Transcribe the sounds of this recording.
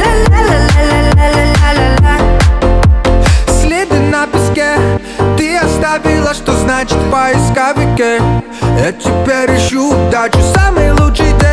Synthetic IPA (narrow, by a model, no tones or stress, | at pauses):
sʲlʲed̪ɪnʲnapʲɪsʲkɛ | t̪ɪɐst̪aʋʲilˠɐʂt̪ɔznat͡ʃɪ̥t̪ʲpajɪskaʋʲɪkɛ | jat̪ʲɪpʲɛɾɪʃud̪at͡ʃʊsamɨjlˠutʂɨjd̪ɛ